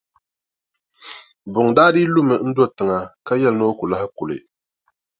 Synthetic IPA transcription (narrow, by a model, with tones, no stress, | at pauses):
bʊ˨ŋ˨daː˦diː˦lʊ˦mɨ˨n̩˦dɔ˦˨tɨ˨ŋa˨ka˦jɛ˦lno˦ku˨la˦hɪ˦kʊ˨lɨ̰˨